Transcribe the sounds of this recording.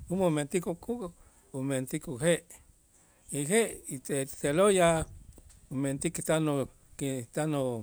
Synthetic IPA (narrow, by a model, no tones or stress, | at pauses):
umoment̪ikuku | ument̪ikuɦeʔ | iɦeʔit̪et̪seloja | ument̪ikit̪ano | kit̪ano